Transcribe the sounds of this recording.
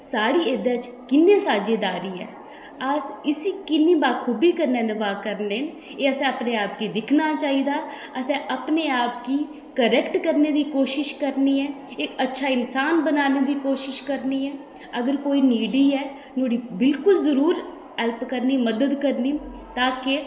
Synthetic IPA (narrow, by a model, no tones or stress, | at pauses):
saːɽiːeːd̪ãːt͡ʃ | kɪnːẽːsaːd͡ʒeːd̪aːɾiːɛ̰ː | əsɪsiːkɪnːĩːbaːkʰuːbiːkəɾnɛːnəbaːkəɾneːn | eːəsɛ̃ːəpneːaːpkiːd̪ɪkʰnaːt͡ʃaːiːd̪aː | əsɛ̃ːʔəpneːaːpkiː | kəɾɛkʈkəɾneːd̪iːkoːʃɪʃkəɾniːɛː | ɪkətːʃʰaːɪnsaːnbənaːneːd̪iːkoːʃɪʃkəɾniːɛː | əɡəɾkoːiːniːɖiːɛː | noːɽiːbɪlkʊlzəɾuːɾ | ɦɛlpkəɾniːməd̪əd̪kəɾniː | t̪aːkɪ